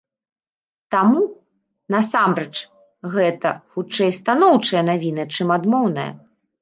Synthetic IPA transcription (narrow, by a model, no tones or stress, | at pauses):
t̪amu | nɐsamɾɛt͡ʂ | ɣɛt̪ɐxut͡ʂɛjst̪anɔwt͡ʂɐjɐnavʲinɨt͡ʂɨmad̪mɔwnɐjɐ̰